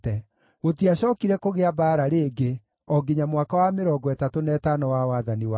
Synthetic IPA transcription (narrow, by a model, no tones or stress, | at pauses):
ɛ | ɣotiaɕɔːkiɾɛkoɣeabaːɾaɾeːɡe | ɔɡeɲamwakawameɾɔɡɔɛtatonɛːtanɔwawaðaniwa